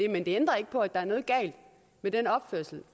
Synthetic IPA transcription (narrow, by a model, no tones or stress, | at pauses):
emend̥e̝end̥ʁɐe̝ɡ̥əpʰɒ̽æd̥ɑ̈æɐnɔ̽ːð̞̩ˠɡ̥ɛ̰ɪld̥ | med̥enɒ̽b̥føɐ̰sl̩